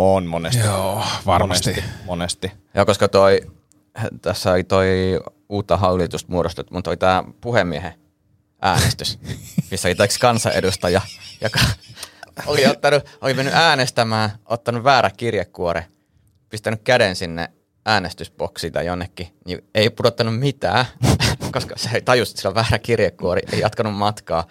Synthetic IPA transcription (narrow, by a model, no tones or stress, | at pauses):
onmonesoʋɑnesimonest̪ijoːkoskɑt̪oi | t̪æsːæolit̪oi | uːt̪ːɑɦɑulːit̪ust̪̚muoɾost̪et̪umut̪olit̪æːpuhemːiehe | ʔæ̰ːnest̪ysmisːolit̪ekskɑnsɑ̰ʔḛdust̪ɑjɑjokɑ | oliot̪ːɑnuʔolimenːyʔæːnest̪æmæːʔot̪ːɑnuʋʋæːɾækirjekːuoɾe | pist̪ænykkædensinːḛ | æːnest̪yspoksiːt̪ɑ̰jonːekːinieipudot̪ːɑnummit̪æ̰ːkoskɑseeit̪ɑjusu̥t̪silːæʋæːrækirjekːuorḭʔeijɑt̪kɑnummɑt̪kɑː